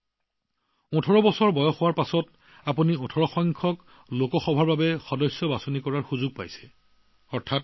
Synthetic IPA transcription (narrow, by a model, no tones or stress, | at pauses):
ɔ̃tʰɔɹɔbɔsɔɹbɔjɔxʊwaɹpasɔt | apuniɔtʰɔɹɔxɔŋkʰɔk | lokɔxɔbʱaɹbabɛxɔdɔjsjɔbasɔnikɔɹaɹxuzuɡ̚pa̰jsɛ̥ | ɔɹtʰat̚